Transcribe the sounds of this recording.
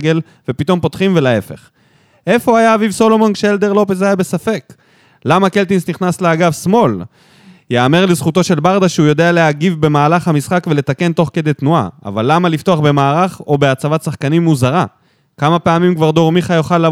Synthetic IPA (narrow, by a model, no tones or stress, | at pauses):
ɡe̞l | ve̞pit̪o̞mpo̞t̪χimve̞lae̞fe̞̰χ | ʔe̞fo̞ajaːvivso̞lo̞monkʃeeld̪e̞ʁlo̞pezajabe̞safe̞k | lamake̞lt̪insniχnasleaɡavsmo̞l | jeame̞ʁlezχut̪o̞ʃe̞lbaʁd̪aʃeujo̞d̪e̞aleaɡivbe̞maːlaχhamisχakve̞le̞t̪ake̞nt̪o̞χked̪e̞jt̪nua̰a̰valːamalift̪o̞aχbe̞maːʁaχo̞be̞at͡savat̪saχkanimːuzaʁa | kamapeamimkvaʁd̪o̞ʁmiχajo̞χalːa